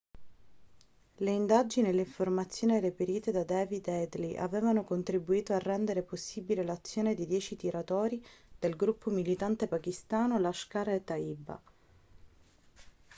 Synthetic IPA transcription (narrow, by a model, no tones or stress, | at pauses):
leind̪ad͡ʒinielːeiɱformat̪sːjoːniɾepeɾiːt̪ed̪ad̪ɛːvid̪ɛd̪liʔa̰vɛːvanokont̪ɾibuiːt̪oarːɛnd̪eɾeposːibilelat̪sːjoːned̪id̪jɛːt͡ʃit̪iɾat̪ɔːɾid̪̥elɡɾupːomilit̪ant̪epakist̪aːnolaʃkaɾet̪aiːba̰